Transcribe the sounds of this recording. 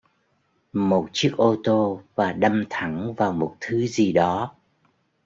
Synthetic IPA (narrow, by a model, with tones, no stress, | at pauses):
mo˨˩t̚t͡ɕɨ˦˥ək̚ʔo˧t̪o˧vaː˨˩ɗə˧mt̪ʰa˨˧˩ŋvaː˨˩wmo˨˩t̚t̪ʰɨ˨˦zi˨˩ɗɔ˨˦